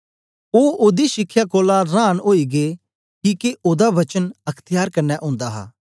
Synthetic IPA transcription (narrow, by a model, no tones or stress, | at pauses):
oːʔoːd̪iːʃɪkʰːjaːkoːlaɾaːnɦoːiːɡeː | kiːkeʔoːd̪aʋɐt͡ʃənɐkʰt̪ɪjaːɾkɐɾnɛːʔʊ̃ːnd̪aːɦa̰ː